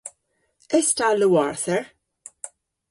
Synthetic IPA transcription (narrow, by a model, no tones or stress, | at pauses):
ɪstaluwɔɹθəɹ